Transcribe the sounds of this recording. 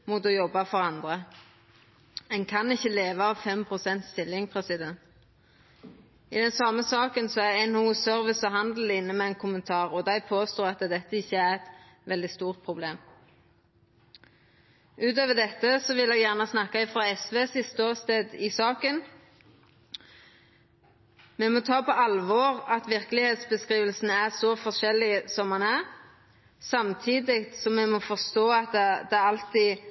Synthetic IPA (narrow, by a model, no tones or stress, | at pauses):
mut̪ɔjɔbːɑfɔʁɑnd̪ʁə | ɛnkʰɑnɪçːəleːʋɑɑʋfɛmpʰʁʊsɛnt̪st̪ɪlɪŋpʰʁɛsɪd̪ɛnt̪ | ɪd̪ɛnsɑmːəsɑːkənsɔæʁɛɪnhuːsœʁʋɪsəɦɑnd̪l̩ɪnːəmɛæɪnkʰʊmənt̪ʰɑːʁɔd̪æɪpʰoːst̪oːɑt̪ːəd̪ɛt̪ːəɪçːəæʁɛt̪ | ʋɛld̪ɪst̪uːʁt̪̚pʰʁʊbleːm | ʔʉːt̪øːʋəd̪ɛt̪ːəsɔʋɪlɛːɡjæʁnəsnɑkːɑɪfʁɑɛsʋeːsɪst̪əoːʁst̪eːd̪ɪsɑːkən | mɛmɔt̪ʰɑːpʰɔʔɑlʋɔːɾɑt̪ʋɪɾkəlɪheːt̪sbəskɾiːʋəlsnæʁsɔfɔʂɛlːɪsɔmhɑnæʁ | sɑmt̪ʰiːd̪ɪkt̪sɔmɛmɔfɔʁst̪oːɑt̪̚d̪ɛd̪ɛæɑlt̪i